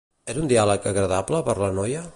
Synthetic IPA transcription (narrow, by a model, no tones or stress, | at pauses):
ɛɾund̪ialəkəɣɾəðabləpəɾlənɔjə